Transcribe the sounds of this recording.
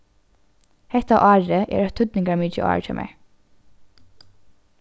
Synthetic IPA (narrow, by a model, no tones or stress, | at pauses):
hɛht̪aʔɑːɹəʔɛ̰ːɾœt̪ʰʏt̪nɪŋɡaɹmiːt͡ʃə̰ʔɑ̰ːɹt̪ʰɪ̰lmʔɛ̰ɹ